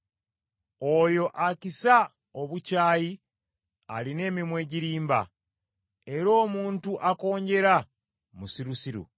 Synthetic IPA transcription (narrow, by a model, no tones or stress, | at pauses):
ojo̞ʔacisa | oβucaːji | aline̞ːmimwe̞ːɟiɾiːmba̰ | e̞ɾo̞ːmuːntuʔako̞ːɲɟe̞ɾa | musiɾusiɾṵ